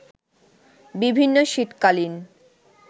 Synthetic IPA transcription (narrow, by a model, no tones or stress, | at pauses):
bibʱinːoʃiʈ̪kalin